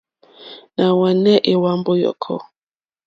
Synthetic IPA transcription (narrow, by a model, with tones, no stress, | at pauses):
na˨wa˨nɛ˦ʔe˨wa˦mbo˦jɔ̰˨kʰɔ̰˦